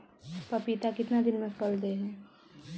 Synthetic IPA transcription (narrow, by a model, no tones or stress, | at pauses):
pɐpit̪akɪt̪nad̪ɪnmẽkɔld̪eɦɛ̃ː